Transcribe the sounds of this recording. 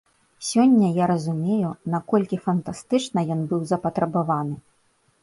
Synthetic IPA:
sʲɔnʲːɐjaɾɐzumʲejunakɔlʲkʲifɐnt̪ast̪ɨt͡ʂnɐjɔnbɨwzɐpɐt̪ɾɐbavanɨ

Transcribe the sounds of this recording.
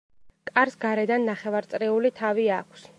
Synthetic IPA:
kʼaɾsɡaɾɛd̪anːaχɛvaɾt̪sʼɾɛulit̪ʰaviakʷʰs

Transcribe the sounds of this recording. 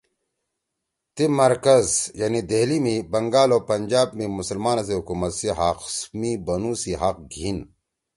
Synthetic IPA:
t̪imɐɾkɐzjaːnid̪eɦlimibɐŋɡaːloːpɐnʲd͡ʑaːb̚mimʊsɐlmaːnas̬eɦukuːmɐt̪siɦaːqsmibɐnusiɦɐq̚ɡʱin

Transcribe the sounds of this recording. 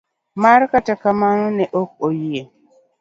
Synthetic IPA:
markatakamanɔnɛʔok̚ojie

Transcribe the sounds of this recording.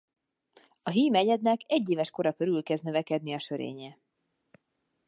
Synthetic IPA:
ɒɦiːmɛɟɛd̪nɛkɛɟːeːvɛʃko̞ɾɒkøɾylkɛzd̪nøvɛkɛd̪niɒʃøɾḛːɲɛ

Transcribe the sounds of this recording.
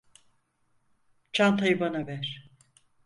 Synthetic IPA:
t͡ʃʰant̪ʰajɯbanavæɾ̥

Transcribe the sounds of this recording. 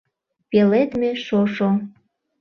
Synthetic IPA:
pelet̪meʃoʃo

